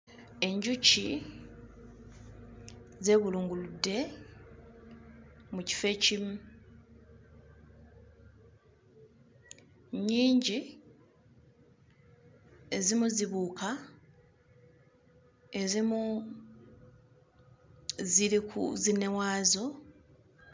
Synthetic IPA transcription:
e̞ɲɟuci | ze̞βuluːŋɡuludːe̞ | muci̥fe̞cimu | ɲiːɲɟi | e̞zimuziβuːkʰa | e̞zimu | ziɾikṵzine̞waːzo̞

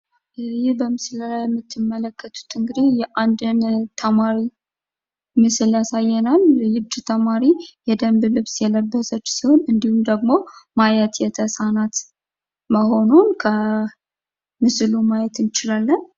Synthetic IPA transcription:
jɪhbəmɨsləlajɛmːɨt̪ʰːɨmːələkʰːət̪ʰu̥t̪ʰɨŋɡɨd̪ejɛʔand̪ɨnt̪ʰəmaɾi | mɨsljasajːɛnaljɨβd̪t̪ʰəmaɾijɛd̪əmblɨβsjɛləbːəsət͡ʃːsiho̞nɨnd̪ihumd̪əɡmo̞majɛt̪jɛt̪ʰəsanat̪ | məho̞nunkʰə | mɨslumajɛt̪ɨnt͡ʃɪlalːən

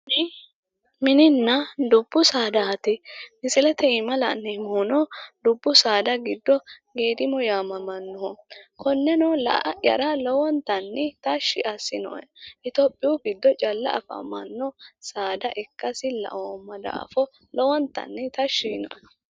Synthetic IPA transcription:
mɪnɪnːɐd̪ʊbːʊsaːd̪ɐɐt̪ɪmɪsɪlɛt̪ɛɪmɐlɐ̰nːɛmoːnɔd̪ʊbːʊsaːd̪ɐɡɪd̪ːɔɡeːd̪ɪmɔjaːmɐmɐnːɔhɔkʰɔnːɛnɔlɐ̰ʔɐjɐ̰ɾɐlɔwɔnt̪ɐnːɛt̪ɐʃːɪʔɐsːɪnɔ̰ʔɛʔɪt̪opʼːɪjuɡɪd̪ːɔt͡ʃʼɐlːɐ̰ʔɐ̰fɐ̰mɐ̰nːɔsaːd̪ɐʔɛkːɐsɪlɐ̰ʔomɐd̪ɐ̰ɐ̰fɔ | lɔwɔnt̪ːɐ̰nːɛt̪ɐʃːinɔ̰ʔɛ

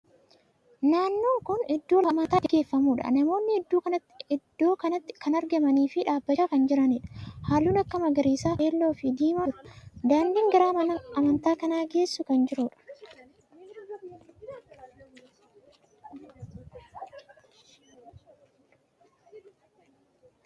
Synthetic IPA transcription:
naːnːo̞ːŋkʊnɪd̪ːo̞ːɐmɐt̪aːɪɡe̞ːfːɐmuːᶑɐ̰nɐmo̞ːnːɪhɛd̪ːuːkɐnɐt̪ːɪɪd̪̥ːo̞ːkɐnɐt̪ːɪ̥kɐnɐɾɡɐmɐniːfɪᶑaːbːɐaːkɐnd͡ʒɪɾɐnɪᶑɐ̥haːlːuːnɐkːɐmɐɡɐɾiːsaːeːlːo̞ːfɪd̪iːmɐɾɐ̥d̪aːnd̪iŋɡɐɾaːɐɐmɐnt̪aːkɐnaːɡe̞ːsːʊkɐnd͡ʒɪɾuᶑɐ̥

